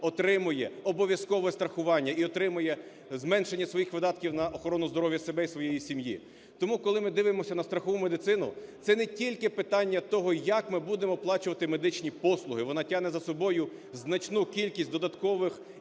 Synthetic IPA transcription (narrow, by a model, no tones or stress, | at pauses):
ɔt̪ɾɪmʊjɛɔbɔʋʲjɐskɔʋɔɛst̪ɾɐxʊʋɑnʲːɐiɔt̪ɾɪmʊjɛ | zmɛnʃenʲːɐsʋɔjixʋɪd̪ɑt̪̚kʲiwnɐʔɔxɔɾɔnʊzd̪ɔɾɔʋjɐsebɛisʋɔjejisʲimjḭ | t̪ɔmukɔlˠɪmɪd̪ɪʋemɔsʲɐnɐst̪ɾɐxɔʋumed̪ɪt̪sɪnʊ̰t̪sɛnetʲilʲkɪpɪt̪ɑnʲːɐt̪ɔɦɔjɐkmɪbud̪emɔplˠɑt͡ʃʊʋɐt̪ɪmed̪ɪt͡ʃnʲipɔslˠʊɦɪʋɔnɑtʲaɦnɛzɐsɔbɔjʊ | znɐt͡ʃnukʲilʲkʲisʲtʲd̪ɔd̪ɐt̪kɔʋɪx